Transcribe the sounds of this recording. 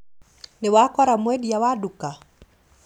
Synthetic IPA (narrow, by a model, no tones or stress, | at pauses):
nɪwakɔɾamwɛdijawaduka